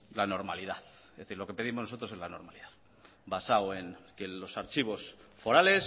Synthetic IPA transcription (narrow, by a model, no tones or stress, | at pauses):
lano̞ɾmaliðaθ | ðθiɾlo̞ke̞pe̞ðimo̞znoso̞t̪ɾo̞se̞zlano̞ɾmaliðaθ | basawe̞ŋkelo̞saɾt͡ʃiβ̞o̞sfo̞ɾale̞s